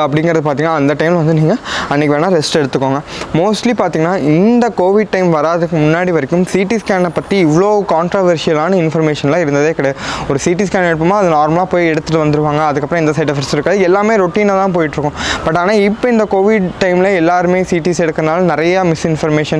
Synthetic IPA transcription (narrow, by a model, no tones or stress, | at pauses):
ɐpːɐɽɪŋɡɪɾɐðɯpaːɾt̪iːŋɡɐnaːɐnd̪ɐʈɐɪmlʋɐnd̪ɯniːŋɡɐɐnːɪkːɯʋeːnaːɾɛsʈɛɽɯt̪ːɯkːoːŋɡɐmoːsʈlipaːɾt̪iːŋɡɐnaːʔɪnd̪ɐkoːʋɪɖ̚ʈɐɪmʋɐɾaːðɯkːɯmʊnːaːɽiʋɐɾɛkːɯmsiːʈiːskaːnɐpːɐt̪ːiɪʋɐɭoːkaːɳʈɾoːʋɐɾʂɪjɐlaːnɯɪnfɐɾmeːʂɐnlãːɪɾɯnd̪ɐðeːkɐɽɐjɐɔɾɯsiːʈ̬iːskaːnɛɽɯp̬ːɐmaːɐðɯnaːɾmɐlaːpoːjɛɽɯt̪ːɯʈːɯʋɐnd̪ɯɾɯʋaːŋɡɐɐðɯkːɐpːɾɐ̃ɛnd̪ɐsɐɪʈɐfɪʈsɪɾɯkːaːðɯɛlːaːmeːɾʊʈiːnat̪ãːp̬oːjɪʈːɾɯkːʊ̃b̥ɐʈ̬ːaːnaːɪpːɐɪnd̪ɐkoːʋɪɖʈɐɪmɪlɐɛlːaːɾɯmeːsiːʈiːsɛɽɯkːɐnaːlɐ̃nɪɾɐjɐmɪsɪnfɐɾmeːʂɐn